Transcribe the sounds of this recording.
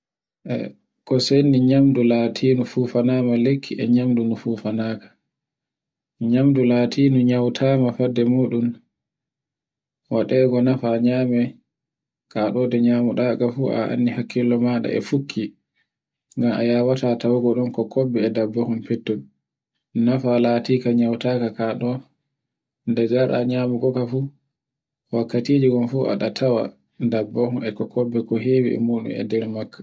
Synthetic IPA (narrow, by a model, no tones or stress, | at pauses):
ʔɛ̰ | kɔsenːiɲamdulaːtʰiːnufuːfanaːmalekʰːiʔɛɲamdunufuːfanakḁ | ɲamdulaːtʰiːnuɲawtʰaːmafadːɛmuːɗum | waɗɛːɡɔnafaɲaːmɛ | kaɗɔːdɛɲaːmuɗaːɡafuːʔa̰ʔa̰nːihakːilːɔmaɗa̰ɛ̰fukʰːi | ŋɡama̰jaːwatatawuɡɔɗɔnkɔkʰɔbɛːdabːɔhumpɛtːun | nafalaːtiːkaɲawtaːkakaɗɔ | ndɛd͡ʒaɗa̰ɲaːmuɡɔkafu | wakːatiːd͡ʒiɡɔnfuʔa̰ɗatʰawa̰ | dabːɔhunɛkɔkʰɔbːɛkɔɦeːwḭɛ̰muɗṵmɛ̰dɛɾmakːḁ